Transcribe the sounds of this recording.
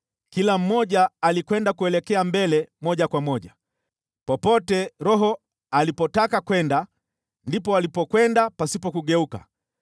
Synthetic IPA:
kilam̩mɔʄaːlikwɛndakuɛlɛkɛambɛlɛmɔʄakwamɔʄa | pɔpɔtɛɾɔɦɔ | alipɔtakakwɛnda | ndipɔalipɔkwɛndapasipɔkuɠɛuka̰

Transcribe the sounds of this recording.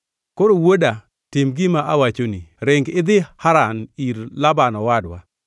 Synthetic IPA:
koɾowoda | tɪmɡɪmaʔawat͡ʃoniɾɪŋɡɪd̪ɪhaɾaniɾlabanɔwadwa

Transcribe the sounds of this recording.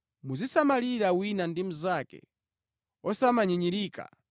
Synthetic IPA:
muzisamaliɾawinandim̩zakɛ̰ | ɔsamaɲiɲiɾiːka̰

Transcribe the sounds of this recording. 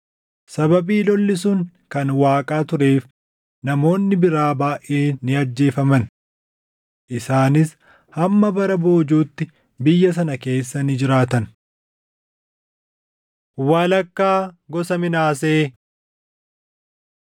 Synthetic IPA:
sɐbɐbiːlɔlːɪsuːŋ | kɐnwaːkʼaːt̪ʊɾe̞ːf | nɐmo̞ːnːɪbɪɾaːbaːʔe̞ːnɪɐd͡ʒːe̞ːfɐmɐn | ʔɪsaːnɪs | hɐmːɐbɐɾɐbo̞ːd͡ʒuːt̪ːɪ | bɪjːɐs̬ɐnɐke̞ːsːɐnɪd͡ʒɪɾaːt̪ɐn | waːlɐkːaːɡɔsɐmɪnaːseː

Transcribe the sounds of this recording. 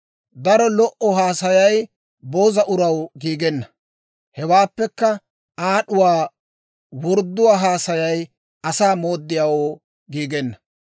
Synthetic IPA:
d̪ɐɾɔlɔʔɔɦaːsɐjɐj | boːzɐʔʊɾɐwɡiːɡɛnːɐ | hɛwaːpːɛkːɐ | aːɗʊwaː | wɔɾd̪ːʊwaːɦaːsɐjɐj | ɐsaːmoːd̪ːɪjaːwoː | ɡiːɡɛnːɐ

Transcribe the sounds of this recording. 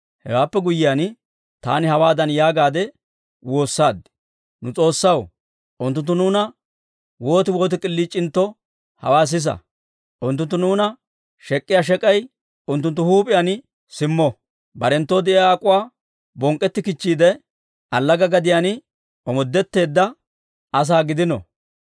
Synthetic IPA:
hɛ̰waːpːɛɡʊjɪjaːn | t̪a̰ːnɪhɐwaːd̪ɐnjaːɡaːd̪ɛ | wo̞ːsːaːd̪ | nʊt͡sʼo̞ːsːɐw | ʔʊnt̪ːʊnt̪ːʊnuːnɐ | woːt̪ɪwo̞ːt̪ɪkʼɪlːiːt͡ʃʼːɪnt̪ːɔ | hɐwaːs̬ɪs̬ɐ̰ | ʔʊnt̪ːʊnt̪ːʊnuːnɐ | ʃɛkʼːɪjaːʃ̬ɛkʼɐj | ʊnt̪ːʊnt̪̬ːʊhuːpʼɪjaːn | sɪmːɔ | bɐɾɛnt̪ːɔd̪ɛʔɪjaːkʼʊwaː | bɔŋkʼːɛt̪ːɪkɪt͡ʃːiːd̪ɛ | ʔɐlːɐɡɐɡɐd̪ɪjanɪ | ɔmɔd̪ːɛt̪ːe̞ːd̪ːɐ | ɐs̬aːɡɪd̪ɪnɔ̰

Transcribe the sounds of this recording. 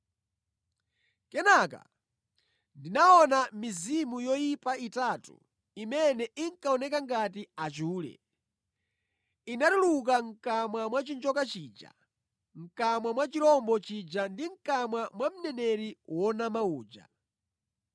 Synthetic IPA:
kɛnaka̰ | ndinaɔnamizimujɔjipaitatṵ | imɛnɛiŋkaɔnɛkaŋɡat̬iat͡ʃuːlɛ̰ | inaduluk̬aŋ̩kamwamwat͡ʃind͡ʒɔkat͡ʃiːd͡ʒa̰ | ŋ̩kamwamwat͡ʃilɔmbɔt͡ʃid͡ʒandiŋ̩kamwamwam̩nɛnɛɾiwɔnamauːd͡ʒa̰

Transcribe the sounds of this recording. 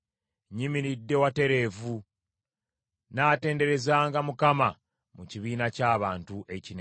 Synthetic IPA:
ɲiminidːe̞wate̞ɾe̞ːvu | naːte̞ːnde̞ɾe̞zaːŋɡamukama | muciβiːnacaːβaːntuʔe̞cine

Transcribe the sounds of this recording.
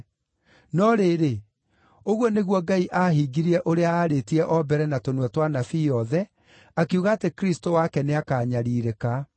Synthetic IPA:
nɔɾeɾe | oɣwɔneɣwɔɡaiʔaɦiɡiɾiɛʔoɾeaːɾetiɛʔɔbɛɾɛnatonwɛtwanafijɔðɛ | akeuɣaːtekɾistowakɛneakaːɲaɾiːɾeka

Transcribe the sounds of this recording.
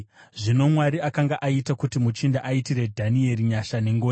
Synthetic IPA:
ʐino̞mwaɾiakaŋɡaʔaitakutimut͡ʃindaʔaitire̞dʱanieɾiɲaʃaneŋɡoːn

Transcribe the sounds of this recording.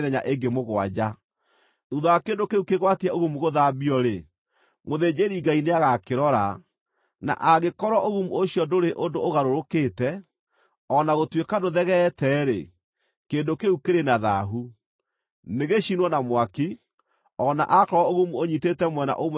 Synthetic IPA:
ðɛɲaʔeŋɡemoɣwad͡ʑa | ðuðaakendokeukeɣwatiɛoɣumuɣoðabiɔɾe | moðed͡ʑeɾiɡaineaɣakeɾɔɾa | na̰ʔaɣekɔɾɔʔoɣumuoɕiɔdoɾeʔondoːɣaɾoɾokeːtɛ | ɔnaɣotwekadoðɛɣɛtɛɾḛ | keːndokeukeɾenaðaɦu | neɣeʃinwɔnamwaki | ɔna̰ʔakɔɾɔoɣumuoɲitetɛmwɛna̰ʔom

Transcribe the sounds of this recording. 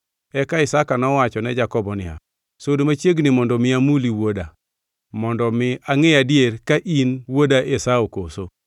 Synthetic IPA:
ɛkaɪsakanɔwat͡ʃɔnɛd͡ʒakɔbɔnɪja̰ | sodomat͡ʃeɡnɪmɔndɔmɪamuliwoda | mɔndɔmɪaŋɪjadɪeɾkaʔinwodaʔesaokoso

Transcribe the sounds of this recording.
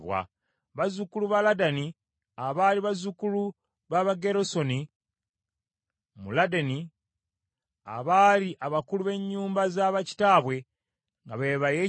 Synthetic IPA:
βwa̰ | βazukuluβaladani | aβaːliβazukulu | βaβaɡe̞ɾo̞so̞ni | muladeni | a̰βaːliʔaβakuluβe̞ɲːuːmbazaːβaci̥taːβwe̞ | ŋɡaβeβaje̞

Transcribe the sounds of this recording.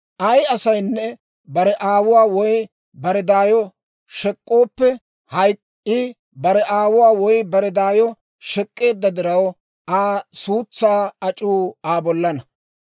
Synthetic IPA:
ʔɐjɐsɐjnːɛ | bɐɾɛʔaːwʊwaːwɔj | bɐɾɛd̪aːjɔ | ʃɛkʼːoːpːɛ | hɐj | ɪ | bɐɾɛʔaːwʊwaːwɔjbɐɾɛd̪aːjɔ | ʃɛkʼːe̞ːd̪ːɐd̪ɪɾɐw | ʔaːsuːt͡sːaːɐt͡ʃʼuːaːbɔlːɐnɐ

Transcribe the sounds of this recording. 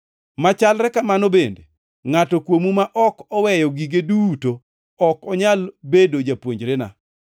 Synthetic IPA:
mat͡ʃalɾɛkamanobende | ŋatɔkwomumaʔɔkɔwɛjɔɡiɡeduto | ɔkɔɲalbedod͡ʒapwoɲd͡ʒɾena̰

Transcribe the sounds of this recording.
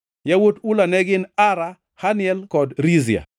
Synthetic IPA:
jawotulanɛɡɪnaɾa | hanɪɛlkɔdɾizia̰

